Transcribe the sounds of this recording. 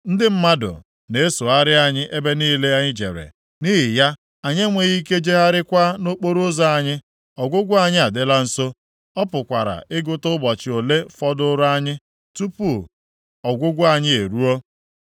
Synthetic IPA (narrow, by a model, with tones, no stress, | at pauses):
n̩˦dɪ˦m̩˦ma˦dʊ̰˨ | ne˨e˦so˨a˦ɾɪ˦a˨ɲɪ˦ʔe˦be˦niː˦le˦a˦ɲɪ˦d͡ʒḛ˨ɾḛ˨ | ni˦ɦɪ˨ja˦ | a˨ɲe˦ŋʷe˨ɣi˦ke˦d͡ʒe˦ɦa˦ɾɪ˦kʷa˦no˦k͡po˦ɾo˦za˦a˨ɲɪ˦ | ɔ˨ɡʷʊ˦ɡʷʊ˦a˨ɲɪ˦a˨dɪ˦la˦n̩˦so˦ | ɔ˦pʊ˨kʷa̰˨ɾa̰˨ɪ˦ɡʊ˦tʊ˦bɔ˨t͡ʃɪ˨o˨le˦fɔ˦dʊ˦ɾa˦ɲɪ˦ | tu˦pu˦˨ | ɔ˨ɡʷʊ˦ɡʷʊ˦a˨ɲɪ˦e˨ɾu˦o˦